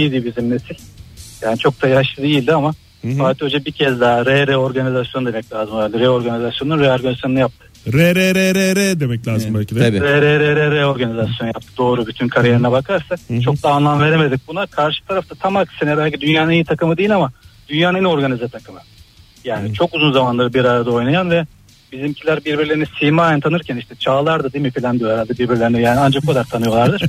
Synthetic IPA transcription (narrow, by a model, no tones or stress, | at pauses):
iilʲd̪ibizimnesilʲjaːnit͡ʃʰo̞k̚t̪ʰajaʃˠɯd̪ejilʲd̪iama | fakat̪øɾd͡ʒɛbicʰɛzd̪aɾɛɾeo̞ɾɡanizasjod̪e̞mɛclʲaːzɯmːlʲd̪ʲiɾɛo̞ɾɡanizasjonunɾeo̞ɾɡanzasjo̞nɯjap̚t̪ʰɯ̥ɾɛɾɛɾɛɾeɾɛd̪emɛclʲaːzɯmbɛlʲʰid̪ɾɛɾɛɾeɾeɾɛo̞ɾɡanizasjo̞njap̚t̪ʰɯd̪o̞ːɾubyt̪ʰynkʰaɾijeɾinɛbakʰaɾsat͡ʃʰo̞k̚d̪aːnlˠamve̞ɾeme̞d̪ic̚bunakʰaɾʃɯ̥t̪ʰaɾaft̪ʰat̪ʰamaksenɛbælʲcʰid̪ynjaːnejit̪ʰakɯmɯd̪ejilʲamad̪̥ynjaːnenio̞ɾɡanizɛt̪ʰakʰɯmɯ | jaːnit͡ʃʰo̞kuzunzamanlˠaɾɯbiɾajɾad̪ao̞jnajanvɛ | bizimcʰilʲæɾbiɾbiɾlʲeɾinisimaːnt̪ʰanɯɾcʰæniʃt̪ʰɛt͡ʃʰaːlˠaɾd̪ɯd̪ijmifilʲand̪ijohɛɾalʲd̪abiɾbiɾlʲeɾinɛjaːniand͡ʒak̚bukad̪aɾt̪ʰanɯjo̞lˠaɾd̪ɯɾ̥